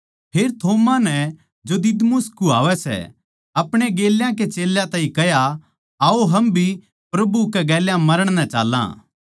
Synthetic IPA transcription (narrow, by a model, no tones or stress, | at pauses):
pʰeːɾt̪ʰoːmãnɛ | d͡ʒod̪ɪd̪mʊskua̰ːʋɛsɛ̰ | ɐpɽ̃eɡeːljãk̬et͡ʃeːljãt̪ãːĩkɐja | aoɦɐmbʱi | pɾɐbukɛɡɛːljãmɐɾəɽ̃nɛt͡ʃa̰ːlːã̰ː